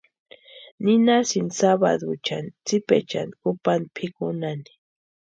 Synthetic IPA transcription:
ninasinsaβa̰ðut͡ʃant͡sipḛt͡ʃa̰nkupand̪pʰikunani̥

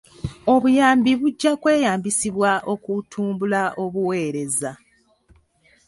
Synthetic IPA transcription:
o̞βujaːmbiβuɟːakwe̞ːjaːmbisiβwaʔo̞kutʰuːmbulaʔo̞βuwe̞ːɾe̞za

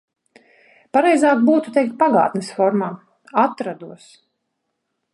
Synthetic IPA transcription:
paɾɛjzaːk̚buːt̪ut̪ɛjk̚t̪̚paɡa̰ːt̪nɛsfɔɾmaː | at̪ɾad̪uɔs

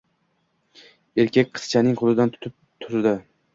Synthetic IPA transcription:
eɾkʲakʲqʰɨ̥st͡ʃʰanɪŋqʰʊlˠɪd̪ant̪ʰʊ̥t̪ʰɪp̚ | t̪ʰʊɾd̪ɪ

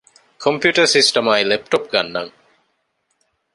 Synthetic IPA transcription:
kʰompjuːʈɐɾsisʈɐmajlep̚ʈop̚ɡɐnːɐ̰ŋ

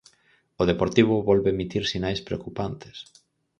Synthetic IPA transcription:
oð̞epoɾt̪iβ̞ʊβɔlβemit̪iɾsinajspɾeokupant̪e̥s

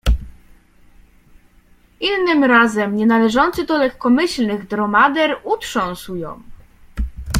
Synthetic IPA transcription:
ʔinːɘmɾazɛmɲɛnalɛʐɔnt̪sɘd̪ɔlɛkːɔmɘɕlnɘɣd̪ɾɔmad̪ɛɾutʂɔ̃w̃swjɔ̰̃w

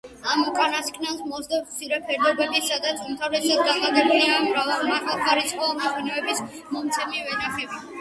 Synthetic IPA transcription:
amukʼanaskʰʼnalˠsmɔzd̪asʰiɾɛpʰɛɾd̪ɔbɛbisad̪at̪sʰumt̪ʰavlɛsad̪̚ɡaχad̪akʰniamɾavɛlˠmaχalˠkaɾisʼqʼɔmɛqʰʼwɛnɛɛbis | mɔmt̪sʰɛmivɛnaχɛbi

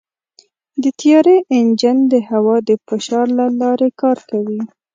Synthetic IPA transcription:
d̪ət̪ijɑɾeʔɪnd͡ʒənd̪əhawɑd̪əfɪʃɑɾlalɑɾekɑɾkawi

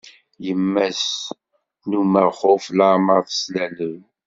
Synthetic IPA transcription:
jəmːæs | numəχʊfləʕməʁθə̥slæləw

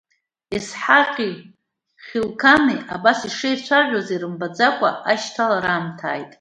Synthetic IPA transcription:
esħaqʲʼi | χʲɪlkʰaniabasiʂɨjt͡ɕʷʰaʒᶣozeɾɨmbad͡zakʷʼa̰aʃtʰalaɾaːmtʰa̰ːjtʼ

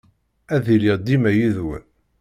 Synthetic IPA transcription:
æðiliʁd̪imæjiðwæ̰

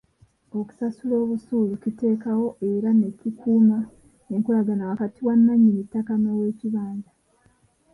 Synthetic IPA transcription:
o̞ku̥sasulo̞ːβusuːlucite̞ːkawo̞ʔe̞ɾane̞cikʰuːma | eŋkulaɡanawakatiwanːaɲːinitːakanowe̞ːciβaːɲda

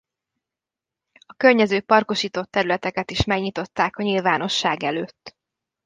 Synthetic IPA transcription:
ɒkørɲɛzøːpɒrko̞ʃiːt̪o̞t̪ːɛɾylɛt̪ɛkɛt̪iʃmɛɡɲit̪o̞t̪ːaːkɒɲilvaːno̞ʃːaːɡɛløːt̪ː

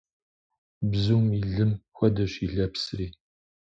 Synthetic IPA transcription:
bzumiɮɨmxʷɐdɐɕiɮɐpsriː

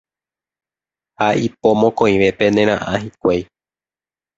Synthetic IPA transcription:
haʔipo̞mõ̞kõĩʋe̞pe̞nẽɾ̃ãʔãɦikʷej

